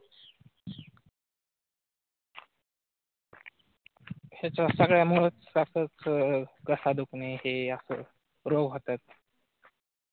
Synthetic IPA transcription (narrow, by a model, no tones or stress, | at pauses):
hat͡ɕasəɡɭjamoɭət͡sasət͡skəsad̪ukneɦeəsə̰ː | ɾoɡɦot̪at̪̚